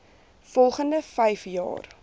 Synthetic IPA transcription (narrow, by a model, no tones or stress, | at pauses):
fɔlˠχəndəfɛjfjɑ̰ːr